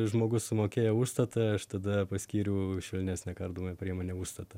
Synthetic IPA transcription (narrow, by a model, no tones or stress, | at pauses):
ʒmoːɡʊssʊmoːkʲeːjɛuːʃst̪ɐt̪ɐɐʃt̪ɐd̪ɐpɐsʲkʲiːɾʲɛʊʃʲʋʲɪlʲnʲæːsʲnʲɛkɐrd̪uːmɐpʲɾʲiɛmoːnʲɛuːʃst̪ɐt̪ɐ